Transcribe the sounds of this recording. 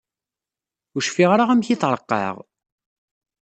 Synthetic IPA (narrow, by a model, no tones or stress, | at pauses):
ʊʃfiʁɾaʁæmçiθɾˤəqːɑ̰ʁ